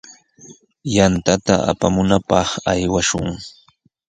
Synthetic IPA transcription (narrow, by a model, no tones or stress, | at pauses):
jant̪at̪aʔa̰pamʊnapɑχajwaʃʊŋ